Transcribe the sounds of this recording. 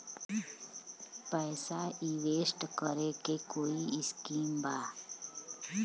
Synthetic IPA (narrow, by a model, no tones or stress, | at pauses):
pɛːsaiʋeːsʈkəɾekekoːiɪskiːmbaː